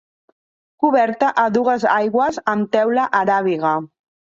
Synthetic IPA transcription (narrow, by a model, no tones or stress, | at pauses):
kuβɛɾt̪əʔəðuɣəzajɣwəzəmt̪ɛwlaʔaɾaβ̞iɣa